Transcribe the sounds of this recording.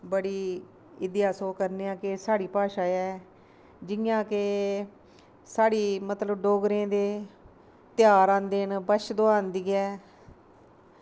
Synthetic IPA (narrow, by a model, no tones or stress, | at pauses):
bəɽiː | ɪd̪jaːsoːkəɾneːãːkesaːɽiːpaːʃaːɛː | d͡ʒɪjãːkeː | saːɽiːmət̪ləbɖoːɡɾẽːd̪eː | t̪ɪjaːɾãːnd̪eːnbəʃd̪oːãːnd̪iːɛː